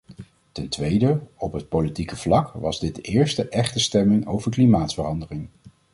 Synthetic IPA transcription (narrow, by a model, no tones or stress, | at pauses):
tɛntʋejdəɔpɦət̚politikəv̥lɑkʋɑzdɪdəɪːɹstəʔɛχtəstɛmɪŋowvəɹklimaːtsfəɹɑndəlɪŋ